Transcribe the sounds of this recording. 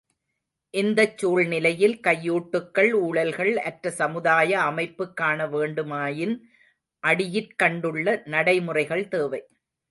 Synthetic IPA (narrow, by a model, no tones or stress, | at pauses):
ʔɪnd̪ɐt͡ʃːuːɭnɪlɐjɪlkɐjːuːʈːɯkːɐɭuːɭɐlɣɐɭɐʈɾɐsɐmɯðaːjɐːmɐɪpːɯkːaːɳɐʋeːɳɖɯmaːjɪn | ʔɐɽɪjɪrkɐɳɖɯɭːɐnɐɽɐɪmɯrɐɪɣɐɭt̪eːʋɐɪ